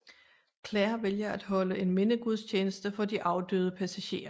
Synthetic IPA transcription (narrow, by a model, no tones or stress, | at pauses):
kʰlæːɐʋeljɐæd̥ɦɒ̽ləʔe̝nme̝nəɡ̥uð̞ˠst͡ɕʰeːnəsd̥əfɒ̽d̥iʔɑ̈ʊd̥ø̰ːðˠəpʰæsæɕe̝̰ːɐ